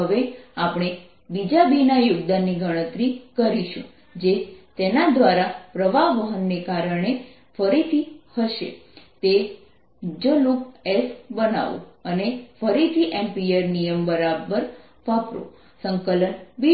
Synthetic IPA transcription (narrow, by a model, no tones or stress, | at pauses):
əʋeapɽ̃e | bid͡ʒabinajʊɡd̪anːiɡʱəɽ̃ət̪ɾikəɾiʃṵ̃ | d͡ʒet̪enad̪ʋaɾapɾəʋaʋəɦənːekaɾəɳe | fəɾit̪ʰihəʃḛt̪e | d͡ʒəlukesbəna̰ʋo̰ənefəɾit̪ʰiʔẽmpieɾnijəmbəɾabəɾ | ʋapɾo̰ | səŋkələnbi